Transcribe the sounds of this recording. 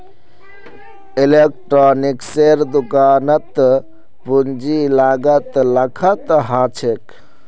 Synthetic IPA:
ilek̚ʈɾonikseɾd̪ukanət̪ | pund͡ʒilaɡət̪ləkʰət̪ɦat͡ʃʰek

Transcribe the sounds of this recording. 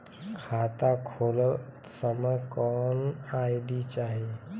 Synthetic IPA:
kʰat̪akʰolə | səməjkɔnajdit͡ʃaɦi

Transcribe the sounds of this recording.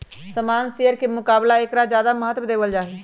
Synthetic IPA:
səmaːnsijəɾkemʊkaːblaeːkɾad͡ʒjaːd̪aməɦət̪ːwəd̪eːbəld͡ʒaːɦɛ

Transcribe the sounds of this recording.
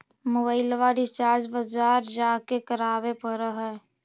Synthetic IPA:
mʊbəɪlʋaɖɪst͡ʃaːɾt͡ʃbəzaːɾd͡ʒaːkekəɾaːʋepəɾəɦɛː

